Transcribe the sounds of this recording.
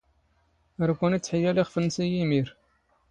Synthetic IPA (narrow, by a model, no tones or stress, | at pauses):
əɾkʷːænit͡sːħəjːæliχfənːsijimiɾ